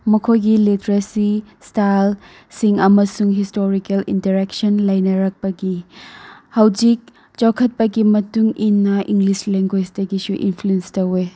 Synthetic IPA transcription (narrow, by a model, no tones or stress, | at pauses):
mɐkʰojɡilitɐɾɐsistal | siŋɐmɐsuŋɦistoɾikɐlintɐɾek̚sonlɐjnɐɾɐk̚pɐɡi | hɐwd͡ʒik̚ | t͡ʃawkʰɐt̚pɐɡimɐtuŋinːɐʔiŋɡlisleŋɡwesdɐɡisuʔḭnpʰluenstɐwe